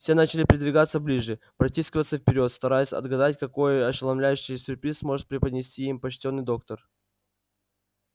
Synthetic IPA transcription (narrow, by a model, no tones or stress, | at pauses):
fsʲe̞nat͡ɕɪlʲɪpɾʲɪd̪vʲɪɡat̪səblʲiʐɨ | pɾɐtʲiskʲɪvət̪səfpʲɪɾʲo̞t̪st̪ɐɾajʊsʲɐ̰d̪ɡɐd̪atʲkɐko̞jɐɕɪlˠɐmlʲæjʉɕːɪjsʲʊrpɾʲismo̞ʐɨt̪̚pɾʲɪpəd̪ʲnʲɪsʲtʲiimpɐt͡ɕtʲo̞nːɨjd̪o̞kt̪ər